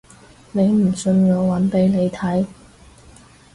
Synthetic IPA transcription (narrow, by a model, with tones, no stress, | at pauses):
ne˨˧jm̩˨˩sɵ˧njɔː˨˧wɐ˨˥npe˨˥jne˨˧jt̪ʰɐ˨˥j